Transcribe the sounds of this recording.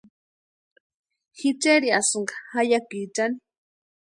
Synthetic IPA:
xit͡ʃeɾiasʊŋɡḁhajakit͡ʃani

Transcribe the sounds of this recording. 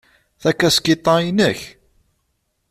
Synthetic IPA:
θækːæskit̪ˤːɑinəç

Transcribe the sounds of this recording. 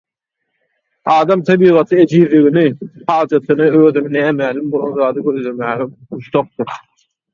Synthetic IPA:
ɑːd̪ɑmt̪ʰɑbiːʁɑt̪ʰɯed͡ʒiːɾliɣinipʰɑːlˠd͡ʒɑt̪ʰɯnɯøːðyninæːmæːlimbolˠo̰nzɑːd̪ɯɡøɾd̪øɾmæːɣɛuʃt̪oq̚t̪uɾ

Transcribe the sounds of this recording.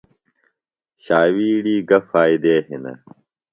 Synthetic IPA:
ɕaːwiːɽiːɡɐfaːid̪eːɦinɐ̰

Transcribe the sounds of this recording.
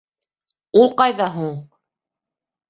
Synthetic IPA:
ulˠqɑjðɑɦuɴ

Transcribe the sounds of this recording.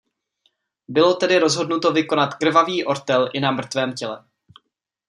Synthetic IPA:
bɪlo̞t̪ɛdɪɾo̞zɦo̞dnut̪o̞vɪko̞nat̪kr̩vaviːʔo̞ɾt̪ɛlʔɪnamr̩t̪vɛːmcɛlɛ

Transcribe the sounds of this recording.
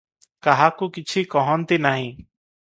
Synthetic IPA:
kaɦakukit͡ʃʰikɔɦɔnt̪inaɦĩː

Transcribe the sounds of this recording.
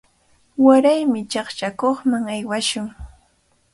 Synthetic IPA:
waɾajmɪt͡ʃɑχt͡ʃakoχmaŋajwaʃʊŋ

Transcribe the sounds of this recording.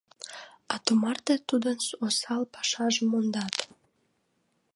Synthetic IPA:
ɑt̪umɑrt̪et̪ud̪ənsosɑlpɑ̥ʃɑʒəmond̪ɑt̪

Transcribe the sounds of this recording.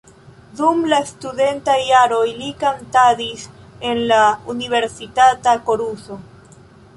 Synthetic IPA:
dumlastuðe̞ntajːaɾo̞jlikantadis | enlauniβe̞ɾsitatakoɾuso

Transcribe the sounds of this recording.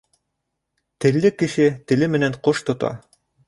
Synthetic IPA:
t̪ɘ̆lːɘkːɘ̆ʃɘt̪ɘ̆lɘmɘ̆næɴqoʃt̪ŏt̪ɑ̰

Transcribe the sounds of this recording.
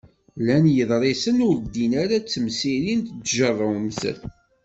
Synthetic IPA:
lænjəðˤɾˤesənʊɾd̪inaɾat͡sːəmsiɾint̪t͡sːʒərˤːəwmzə̰l

